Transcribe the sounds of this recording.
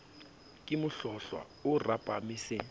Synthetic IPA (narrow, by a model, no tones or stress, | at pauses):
kʼɪmʊɬɔɬwa̰ | urapʼamiːsɛ